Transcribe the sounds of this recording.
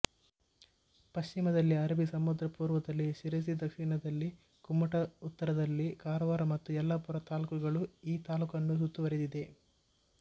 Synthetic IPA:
pɐʃt͡ʃimɐd̪ɐlːiɐɾɐbisɐmud̪ɾɐpuːɾʋɐd̪ɐlːiʃiɾes̬id̪ɐkʂinɐd̪ɐlːi | kumːɐʈɐut̪ːɐɾɐd̪ɐlːikaːɾɐʋaːɾɐmɐt̪ːuɛlːɐpuɾɐt̪aːlukɐɡɐɭuiːt̪aːlukɐnːusut̪ːuʋɐɾed̪id̪e̞

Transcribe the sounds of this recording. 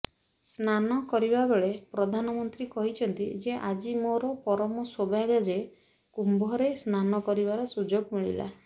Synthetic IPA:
snanɔkɔɾibabeɭepɾɔd̪ʱanɔmɔnt̪ɾikɔɦit͡ʃʰɔnt̪ḭd͡ʒeʔad͡ʒimoɾɔpɔɾɔmɔsobaɡad͡ʒe | kumbʱɔɾesnanɔkɔɾibaɾɔsud͡ʒoɡmiɭḭla̰

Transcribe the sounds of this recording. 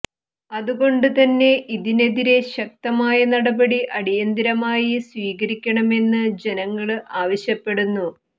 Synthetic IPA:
ɐðuɣo̞ɳɖɨt̪ɐnːe̞ʔiðine̞ðiɾe̞ɕɐk̚t̪ɐmaːjɐnɐɽɐbɐɽiʔɐɽijɐnd̪iɾɐmaːjisʋiːɣɐɾikʲːɐɳɐme̞nːɨd͡ʑe̞nɐŋːɐɭaːʋɐɕjɐpːe̞ɽunːu

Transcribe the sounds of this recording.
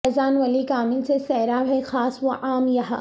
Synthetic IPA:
ɛzaːnʋɐlikaːmɪlsesɛːɾaɦɛxaːsʋoʔaːmjɐɦa̰ː

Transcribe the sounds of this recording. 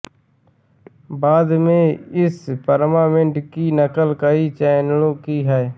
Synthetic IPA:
baːd̪mẽːɪspəɾmaːmẽɳʈkiːnəkəlkəiːt͡ʃɛːnlõːkiːɦɛe

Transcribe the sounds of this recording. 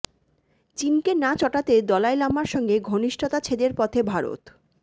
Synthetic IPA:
t͡ɕinkenat͡ɕɔʈat̪ed̪ɔlaelamaɾʃɔŋɡeɡʱoniʃʈʰot̪at͡ɕʰed̪eɾpɔt̪ʰebʱaɾo̰t̪

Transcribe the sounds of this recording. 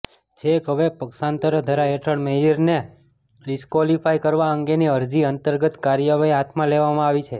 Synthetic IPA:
d͡ʒʰekɦəʋepəksant̪əɾəd̪ʱəɾaɦeʈʰəɽmejəɾne | ɖiskʋɔlifajkəɾʋaəŋɡeniəɾd͡ʒiənt̪əɾɡət̪kaɾjəʋaiɦat̪ʰmãleʋamãaʋit͡ʃʰe

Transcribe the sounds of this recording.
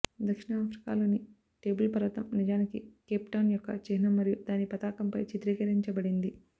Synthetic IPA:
d̪ɐkʂiɳɐːpʰɾi̥ka̰ːlo̞ːni | ʈe̞ːbulpɐɾʋɐt̪ɐ̰mnid͡ʒaːnikikeːpʈɐwnjɔkːɐ̰t͡ʃeɦinɐmːɐɾijud̪aːnipɐt̪aːkɐmpɐjt͡ʃit̪ɾiːkɐɾiɲt͡ʃɐbɐɽind̪i

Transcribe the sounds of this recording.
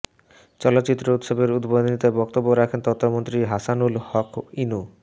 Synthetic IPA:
t͡ɕɔlot̪ːt͡ɕit̪ːɾout̪ʃobeɾud̪bod̪nit̪ebɔk̚t̪obːoɾɛkʰent̪ɔt̪ʰːomont̪ɾiɦasanulhɔkinu

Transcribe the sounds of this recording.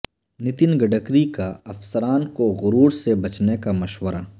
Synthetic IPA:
nɪt̪ɪnɡɐɖəkɾikaɐfsəɾaːnkoɣʊɾuːɾsebɐt͡ʃnekamɐʃwəɾa

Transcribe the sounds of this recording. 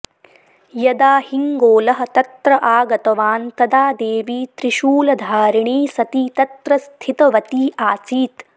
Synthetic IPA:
jɐd̪aːhiŋɡoːlɐɦɐ̆t̪ɐt̪ɾɐʔaːɡɐt̪ɐʋaːnt̪ɐd̪aːd̪eːʋiːt̪ɾiʃuːlɐd̪ʱaːɾiɳiːsɐt̪it̪ɐt̪ɾɐst̪ʰit̪ɐʋɐt̪iːʔaːt͡ʃiːt̪

